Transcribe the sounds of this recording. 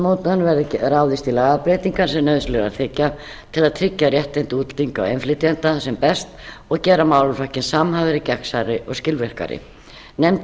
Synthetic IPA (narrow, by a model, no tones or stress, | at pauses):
mowt̪nanvɛɾðɪɾawðɪst̪ilaːɣapɾejt̪iŋkan̥sɛmnœɥðslɛɣa̰ɾθɪcːa | t̪ʰɪlaðt̪ʰɾɪcːarjɛht̪ɛjnt̪ɪuːt̪l̥t̪iŋka̰wejnflɪt̪iɛnt̪asɛmpɛst̪ | ɔɣcɛːɾamaːwlʏfacɪnsamɦaːvɪɾɪcɛksaɾɪʔɔɣscɪlvɛr̥ka̰ɾɪ̰ | nɛm